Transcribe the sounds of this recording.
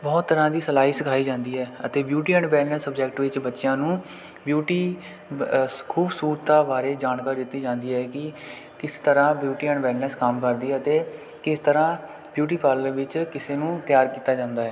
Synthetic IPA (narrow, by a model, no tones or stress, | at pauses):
bɔːt̪ːəɾãːd̪iːsəlaːɦiːsəkʰaːiːd͡ʒãːnd̪iːɦɛːət̪eːbjuːʈiːɛ̃ɳɖʋɛːlnɛsəbd͡ʒɛːk̚ʈʋɪt͡ʃbətːʃɪjãːnũː | bjuːʈiː | kʰuːbsuːɾt̪aːbaːɾeːd͡ʒaːnkaːɾiːd̪ɪt̪ːiːd͡ʒãːnd̪iːɦɛːkɪ | kɪst̪əɾãːbjuːʈiːɛ̃ɳɖʋɛːlnɛskəmkəɾd̪iːɛət̪eː | kɪst̪əɾãːbjuːʈ̬iːpaːləɾʋɪt͡ʃkɪseːnũːt̪jaːɾkiːt̪aːd͡ʒãːnd̪aːɦɛː